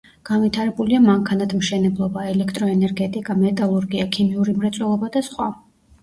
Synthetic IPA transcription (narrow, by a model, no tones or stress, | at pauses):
ɡ̥anvit̪ʰaɾɛbuliamaŋkʰanat̪ʰmʃɛnɛblˠɔbaɛlɛkʰt̪ʼɾɔɛnɛɾɡɛt̪ʼikʼamɛt̪ʼalˠuɾɡiakʰimiuɾimɾat̪sʼwɛlˠɔbad̪asχwa